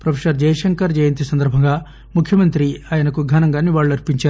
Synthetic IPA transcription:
pɾɐfʰesɐɾd͡ʒɐjɐʂɐŋkɐɾd͡ʒɐjɐnt̪isɐnd̪ɐɾbʱɐŋɡaː | mukʰjɐmɐnt̪ɾiaːjɐnɐkuɡʱɐnɐŋɡaːnːiʋaːɭːuɐɾpiɲt͡ʃaːɾu

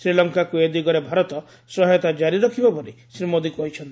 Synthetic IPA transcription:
sɾilɔŋkakued̪ikɔɾebʱaɾɔt̪ɔ | sɔɦɔt̪ad͡ʒaɾiɾɔkʰibapɔɾisɾimod̪ikuɔit͡ʃʰɔnt̪ii

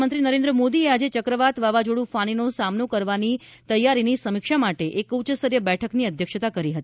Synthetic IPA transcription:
mənt̪ɾinəɾẽnd̪ɾəmod̪iead͡ʒet͡ʃəkɾəʋat̪ʋaʋad͡ʒoɽũfaɽ̃inosamnokəɾʋani | t̪əjaɾinisəmɪkʃamaʈeʔekut͡ʃəsəɾjəbɛʈʰəkniəd̪ʱjəkʃət̪akəɾiɦət̪i

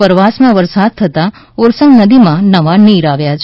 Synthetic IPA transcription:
əɾʋasmãʋəɾsad̪̚t̪ʰət̪a | oɾsəŋɡnəd̪imãnəʋaniɾaʋjat͡ʃʰ

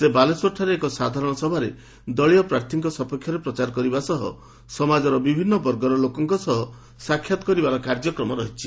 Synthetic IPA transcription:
sebaleswɔʈʰaɾeːkɔsad̪ʱaɾɔɽ̃ɔsɔbʱaɾe | d̪ɔɭijɔpɾaɾt̪ʰiŋkɔsɔpɔkʰjɔɾepɾɔt͡ʃaɾkɔɾibasɔɦɔ̰ | sɔmad͡ʒɔɾɔbibʱinːɔbɔɾɡɔɾɔlokɔŋkɔsɔɦɔ | sakʰjat̪ɔ̥kɔɾibaɾɔkaɾd͡ʒɔkɾɔmɔɾɔɦit͡ʃʰi

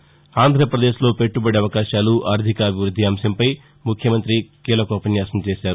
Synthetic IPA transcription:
aːnd̪ʱɾɐpɾɐd̪e̞ːʃlo̞ːpe̞ʈːubɐɽeɐʋɐkaːʃaːluʔaːɾd̪ʱikɐːbʱiʋɾud̪ʱːiaːmsɐmpɐj | mukʰjɐmɐnt̪ɾikiːlɐkɔːpɐnjaːsɐmt͡ʃeːʃaːɾu

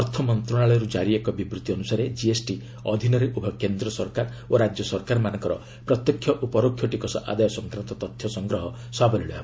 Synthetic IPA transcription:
ɔɾt̪ʰɔmɔnt̪ɾɔɽ̃aɭɔjɔɾud͡ʒaɾiekɔbibɾut̪iɔnusaɾed͡ʒiesʈi | ɔd̪ʱinɔɾeʔubʱɔkend̪ɾɔsɔɾkaɾ | oɾad͡ʒjɔsɔɾkaɾmanɔŋkɔɾɔ̰ | pɾɔt̪jɔkʰːjɔʔupɔɾokʰjɔʈikɔsɔ̰ʔa̰d̪ajɔsɔŋkɾant̪ɔt̪ɔt̪ʰjɔsɔŋɡɾɔɦɔ | sɔabɔliɭɔjab

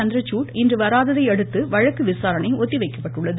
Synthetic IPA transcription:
ɐnd̪ɪɾɐt͡ʃːuːʈɪndrɯʋɐɾaːðɐðɐɪɛɽɯt̪ːɯʋɐɻɐkːɯʋɪsaːɾɐnɐɪɔt̪ːiʋɐɪkːɐ̥pːɐʈːɯɭːɐðɯ

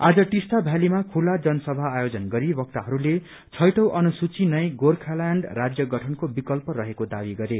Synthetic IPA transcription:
ad͡zʌʈist̪abʱjalimakʰulad͡zʌnʌsʌbʱaːjod͡zʌnɡʌɾibʌk̚t̪aɦʌɾule | t͡sʰʌjʈʌwʔʌnusut͡sinʌj̃ɡorkʰalaɳɖrad͡zjʌɡʌʈʰʌnkobikʌlpʌɾʌɦekod̪abiɡʌɾe

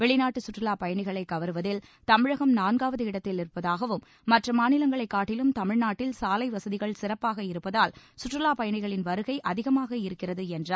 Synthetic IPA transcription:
ʋɛɭɪnaːʈːɯsʊʈrɪlaːpɐjɐɳɪɣɐɭɐɪkːɐʋɐɾɯʋɐðɪlt̪ɐmɪɻɐɣɐmnaːnɡaːʋɐðɯɪɽɐt̪ːɪlɪɾɯpːɐðaːɣɐʋɯmːɐʈrɐmaːnɪlɐŋɡɐɭɐɪkːaːʈːɪlɯmt̪ɐmɪɻnaːʈːɪlsaːlɐɪʋɐsɐðɪɣɐɭsɪrɐpːaːɣɐɪɾɯpːɐðaːlsʊʈrɪlaːpɐjɐɳɪɣɐɭɪnʋɐɾɯɣɐɪʔɐðɪɣɐmaːɣɐɪɾɯkːɪrɐðɯɛndraː

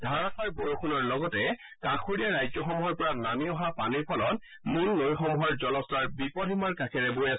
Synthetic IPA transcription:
dʱaɹatʰɔɹboɹokʰunɔɹlɔɡɔtɛ | kãkʰuɹijaɹajzɔxɔmuɦɔɹpɔɹanamiɔɦapaniɹpʰɔlɔt | munːojxɔmuɦɔɹzɔlɔstaɹbipɔdʱimaɹkakʰɛɹɛbojas

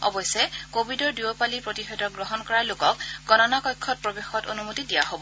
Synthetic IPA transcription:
ɔ̰bɔjsɛkobʱidɔɹduopalipɹotixɔdɔk̚ɡɹɔɦɔnkɔɹalʊkɔk̚ɡ̥ɔnɔnakɔjkʰːɔt̚pɹobexɔto̰numotidijaɦobɔ

